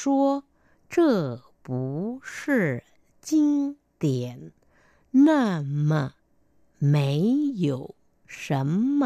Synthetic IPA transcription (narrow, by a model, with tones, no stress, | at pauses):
ʂwɔ˥ | ʈ͡ʂɤ˥˩ | pu˧˥ʂɻ̩˥˩ | t͡ɕi˥ŋ | t̪jɛ˨˩˦n | na˥˩mə˩ | me˧˥ɪjo˨˩˦ʊ | ʂə˧˥nmə˧